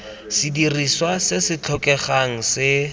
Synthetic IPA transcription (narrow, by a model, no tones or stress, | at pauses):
sidiriswasɪsɪt͡ɬʰɔkɛχaŋ̩sɪ